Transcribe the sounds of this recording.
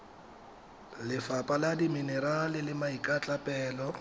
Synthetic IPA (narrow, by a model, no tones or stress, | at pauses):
lɪfapʼaladiminɛɾalɪlɪmaikʼat͡ɬʼapʼɛːlɔ